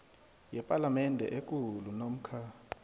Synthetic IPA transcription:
jɛpʼalamɛndʱɛ̰ʔek̬ʼulunom̩kʰaː

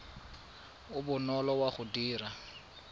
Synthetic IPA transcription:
ʊbʊnɔlɔwaχʊdiːra

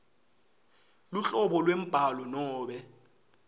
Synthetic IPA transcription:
luɬɔɓɔlwem̩b̥ʱalɔnɔːɓɛ

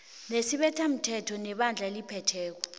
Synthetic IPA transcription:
nesiɓɛtʰam̩tʰɛtʰɔnɛɓand͡ɮʱaelipʰɛtʰɛːk̬ɔ̥

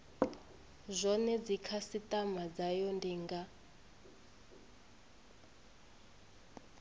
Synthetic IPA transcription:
zʷɔnɛd͡zikʰasitʼamad͡zajɔndiŋɡa

